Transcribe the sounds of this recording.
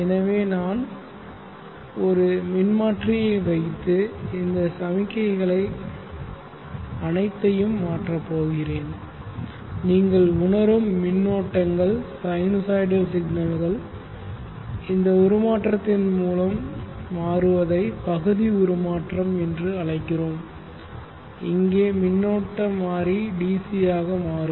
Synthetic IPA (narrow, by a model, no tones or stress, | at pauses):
ɛnɐʋeːnaːn | ɔɾɯmɪnmaːʈrɪjɐɪʋɐɪt̪ːɯɪnd̪ɐsɐmɪkːɐɪɣɐɭɐɪ | ɐnɐɪt̪ːɐjɯmːaːʈrɐpːoːɣɪreːn | niːŋɡɐɭʊɳɐɾɯmːɪnːoːʈːɐŋɡɐɭsɐɪnosɐɪɖɐsɪɡnɐlɣɐɭ | ɪnd̪ɐʊɾɯmaːʈrɐt̪ːɪnmuːlɐmːaːrɯʋɐðɐɪpɐɣɯðiʊɾɯmaːʈrɐmɛndrɯɐɻɐɪkːɪroːm | ɪ̰ŋɡeːmɪnːoːʈːɐmːaːɾiɖiːsijaːɣɐmaːɾɯ